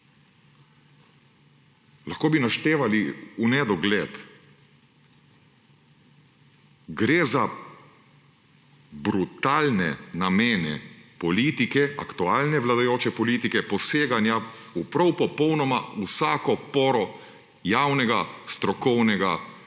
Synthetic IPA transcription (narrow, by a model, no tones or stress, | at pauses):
laxkoːbinaʃt̪eːʋaliunɛd̪ɔɡlɛːt̪ | ɡɾeːza | bɾut̪aːlnɛ̰nameːnɛ̰pɔliːt̪ikɛa̰kt̪uaːlnɛʋlad̪ajoːt͡ʃɛpɔliːt̪ikɛpɔseːɡanja | upɾɔwpɔpɔwnɔmausaːkɔpɔːɾɔ | jawnɛɡast̪ɾɔkɔwnɛɡa